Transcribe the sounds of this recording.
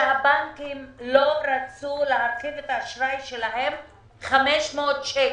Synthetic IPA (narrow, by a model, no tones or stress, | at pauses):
habaŋkimloɾat͡sulehat̪χilet̪aaʃɾaiʃelaɦe̞m | χameʃmoːt̪ʃe